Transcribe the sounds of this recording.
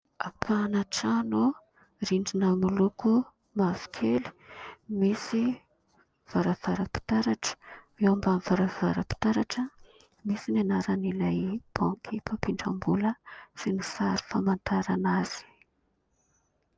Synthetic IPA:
akʰanaʈ͡ʂanu | ɾiɳɖ͡ʐinəmuluku | mavi̥kʰeli̥misi | v̥aɾav̥aɾəpi̥t̪aɾaʈ͡ʂə̥ | ewambamivaɾav̥a̰ɾəpi̥t̪aɾaʈ͡ʂə | misinanaɾanilajb̥ãkʰipapiɳɖ͡ʐambuləsinisaɾi̥famant̪aɾanaz̥i̥

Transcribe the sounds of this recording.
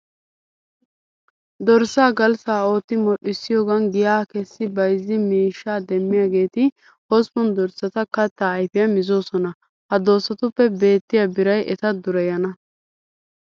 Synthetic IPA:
d̪ɔɾsːaːɡɐlsaːo̞ːt̪ːɪmɔɗɪsːɪjoːɡɐnɡɪjaːkɛsːɪbɐjzːɪmiːʃːaːd̪ɛmːɪjaːɡe̞ːt̪ɪ | hɔspɔnd̪ɔɾsːɐt̪ɐkɐt̪ːaːjfɪjɐmɪzo̞ːsɔnɐ | hɐd̪o̞ːsːɐt̪ʊpːɛbe̞ːt̪ːɪjabɪɾɐjʔɛt̪ɐd̪ʊɾɛjɐnɐ

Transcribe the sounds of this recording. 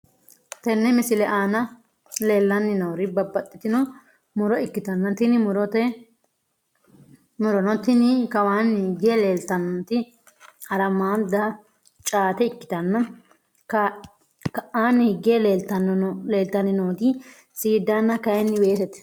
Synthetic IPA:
t̪ɛnːɛmɪsɪlɛʔaːnɐ | leːlːɐnːɪnɐwɾɪbɐbːɐt̪ʼːɪt̪ɪnɔ | mʊɾɔɪkːɪt̪ɐnːɐt̪ɪnɪmʊɾɔt̪ɛ | mʊɾɔnɔt̪ɪnɪkɐwaːniɡeleːlt̪ɐnːɔt̪ɪ | ɐɾɐmaːd̪ɐ | t͡ʃʼaːt̪ɛɪkːɪ̥t̪ɐnːɐ | k | kɐʔaːniɡeːleːlt̪ɐnleːlt̪ːɐnɪnoːɡ̪ɪ | siːd̪anːɐkɐjɛnːɪweːsɛt̪ɛ̥

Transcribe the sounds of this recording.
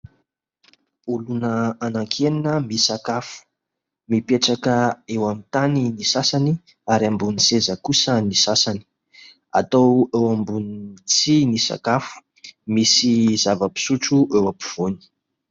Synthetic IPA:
ulunəanaŋkʰeninəmisakafu̥ | mipeʈ͡ʂakəewamit̪aninisasani | aɾiambunisezəkusənisasani̥ | a̰t̪owewambunt͡sinisa̰kafu̥ | misizavəpi̥suʈ͡ʂuʔewapiv̥oni̥

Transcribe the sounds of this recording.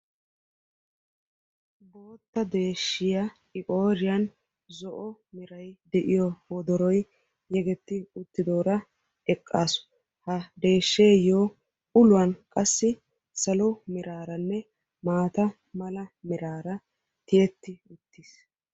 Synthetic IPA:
bo̞ːt̪ːɐd̪e̞ːʃːɪjɐ | ɪkʼo̞ːɾɪjɐn | zɔʔɔmɪɾɐjd̪ɛʔɪjɔwɔd̪ɔɾɔj | jɛɡɛt̪ːɪʊt̪ːɪd̪o̞ːɾɐ | ɛkʼːaːsʊ̥ | hɐd̪e̞ːʃːeːjoː | ʊlʊɐnkʼɐsːɪ | sɐlɔmɪɾaːɾɐnːɛ | maːt̪ɐ | mɐlɐmɪɾaːɾɐ | t̪ɪjɛt̪ːɪʊt̪ːis

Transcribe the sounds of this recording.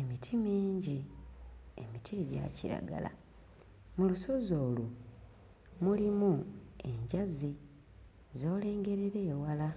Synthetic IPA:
e̞mitʰimiːɲɟi | emitʰieɟa̰ciɾa̰ɡa̰la̰ | muluso̞zo̞ːlu | mulimue̞ɲɟazi | zo̞ːle̞ːŋɡe̞ɾeɾe̞ːwala

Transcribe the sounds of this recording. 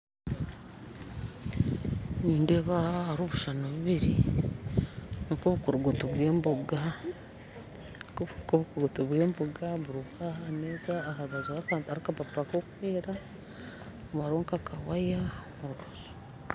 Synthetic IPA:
niːndeβaaɾoːβuʃanoβiβiɾi | ŋkoβukuɾuɡotoβwe̞ːmboɡa | koβukuɡotoβwe̞ːmboɡaβuɾukahameːzaːhaɾuβazoaaaɾikapapakokuweːɾa | βaɾoːŋkakʰawajamuɾuɾozo̥

